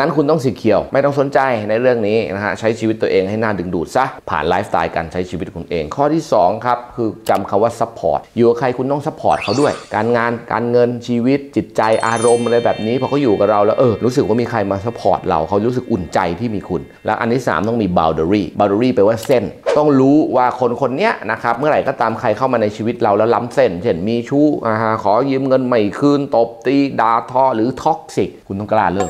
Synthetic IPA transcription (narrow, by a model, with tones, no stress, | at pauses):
na˦˥nkʰu˧nt̪ɔ˥˩ŋsiː˨˩kʰi˨˩əwma˥˩jt̪ɔ˥˩ŋso˩˦nt͡ɕa˧jna˧jɾɯ˥˩əŋniː˦˥na̰˦˥kʰa˦˥t͡ɕʰa˦˥jt͡ɕʰiː˧i˦t̪ːu˧əʔeː˧ŋha˥˩jnaː˥˩dɯ˨˧˩ŋduː˨˩t̪̚sa˦˥pʰa̰ː˨˩nlaː˦˥f̚t̪a̰ː˧jka̰˧nt͡ɕʰa˦˥jt͡ɕʰiː˧wi˦˥t̪̚kʰu˧nʔḛː˧ŋkʰɔː˥˩t̪ʰiː˥˩sɔː˩˦ŋkʰa˦˥p̚kʰɯː˧t͡ɕa˧mkʰa˧mwaː˥˩sa˦˥pʰːɔ̰ː˨˩t̪̚juː˨˩ʔa˨˧˩kʰa˧jkʰu˧nt̪ɔ˥˩ŋsa˦˥pʰːɔː˨˩t̪̚kʰa˦˥wdu˥˩əjkaː˧nŋaː˧nka̰ː˧nŋɤ˧nt͡ɕʰiː˧wi˦˥t̪̚t͡ɕi˨˩t̪̚t͡ɕa˧jʔaː˧ɾo˧mʔa˧ɾa˧jbɛː˨˩p̚niː˦˥pʰɔː˧kɔː˥˩juː˨˩ka˨˩ɾa˧wlɛː˦˥wʔɤː˧ɾuː˦˥s̬ɯ˨˩k̚waː˥˩miː˧kʰa˧jmaː˧sa˧˦˥pʰɔ̰ː˨˩t̪̚ɾa̰˧wkʰa˦˥wɾuː˦˥s̬ɯ˨˩kʔu˨˩nt͡ɕa˧jt̪ʰiː˥˩miː˧kʰu˧n | lɛ˦˥wʔa˧nt̪ʰiː˦˥˩sa̰ː˩˦mt̪ɔ˥˩miː˧ba̰ː˧wdə˧ɾiː˥˩baː˧wda˧ɾiː˥˩pa˧jwaː˥˩se˥˩nt̪ɔ˥˩ŋɾuː˦˥waː˥˩kʰo˧nkʰo˧nːi˦˥ɐna˦˥kʰɾa˦˥p̚mɯ˥˩ɐɾa˨˩jkɔː˥˩t̪aː˧mkʰa˧jkʰa˥˩wmaː˧na˧jt͡ɕʰiː˧wi˦˥t̪̚ɾa˧wlɛː˦˥wla˦˥mse˥˩nt͡ɕʰe˥˩nmiː˧t͡ɕʰuː˦˥˩ʔa˧˩ɦa˧˩kʰɔː˨˩˦jɯː˧mŋɤ˧nma˨˩jkʰɯː˧˩nt̪o˨˩p̚t̪iː˧daː˧t̪ʰɔː˧˩ɾɯː˩˦t̪ʰɔ˦˥k̚si˨˩k̚ʰu˧nt̪ɔ˥˩˧klaː˧˩lɯ˥˩ŋ